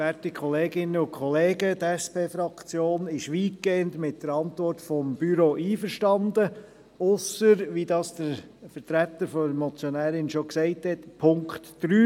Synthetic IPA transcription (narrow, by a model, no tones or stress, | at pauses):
ætikʰχɔleːɡɪnːəʊkχɔleːɡətɛspʰeːfɾɑkt͡sjoːnɪʃʋiːt̚keːəntmɪt̚d̥əɾɑntʋɔrtfɔmb̥yɾoʔiːfəɾʃtɑnd̪ə | ʊsəɾʋidɑːsd̪̥əɾfəɾtɾætːəɾfɔəmɔt͡sjɔnæːɾɪnʃɔksɛɪthɛtpʰʊŋktd̥ɾyː